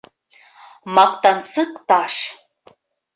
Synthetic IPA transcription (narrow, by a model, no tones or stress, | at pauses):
mak̚t̪ansɨkʼt̪aʂ